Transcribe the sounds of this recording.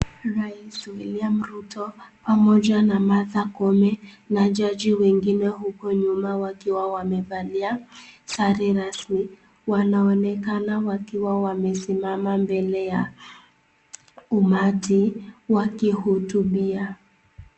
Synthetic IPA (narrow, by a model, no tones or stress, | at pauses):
ɾaiswiliam̩ɾutɔpamɔd͡ʒanamaðakɔmɛ | nad͡ʒad͡ʒiwɛŋɡinɛɦukɔɲumawakiwawamɛbaliasaɾiɾasmi | wanaɔnɛkanawakiwawamɛsimamambɛlɛja | umatiwakihutubia